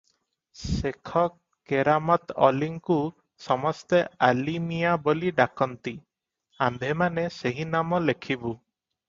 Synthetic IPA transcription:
sekʰɔkːeɾamɔt̪ɔ̰liŋku | sɔmɔst̪ealimijaboliɖakɔnt̪i | amb̪ʱemaneseɦinamɔlekʰibu

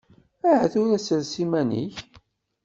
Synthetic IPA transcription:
æʕθuɾæsəɾsimænḭç

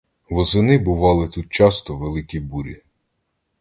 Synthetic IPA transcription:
ʋɔzɪnɪbʊʋɑlˠɪt̪ut̪̚t͡ʃɑst̪ɔʋelˠɪkʲibuɾʲḭ

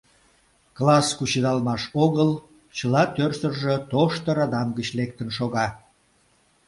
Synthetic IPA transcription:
klɑskut͡ɕəd̪ɑlmɑʃoɣəl | t͡ɕəlɑt̪ørsərʒət̪oʃt̪əɾɑd̪ɑmɡət͡ɕlek̚t̪ənʃoɣɑ

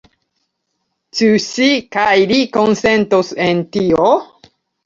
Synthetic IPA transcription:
t͡ʃusikajliko̞nse̞ntosentio

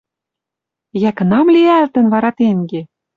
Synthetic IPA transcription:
jækə̆nɑmliælt̪ə̆nβɑɾɑt̪eŋɡe

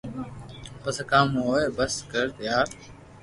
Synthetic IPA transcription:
pəskaːmoːebəskəɾt̪əjaːɾ

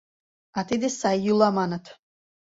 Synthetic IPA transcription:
at̪ʰid̪isajjulˠamanat̪ʰ

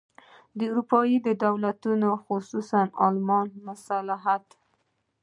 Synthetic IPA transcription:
d̪əuɾupɑjid̪əd̪awlat̪unoxʊsusanɑlmɑnmʊsalaɦat̪

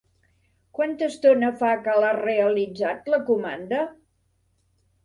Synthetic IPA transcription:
kwant̪əst̪onəfakalareəlid͡zat̪ləkumand̪ə

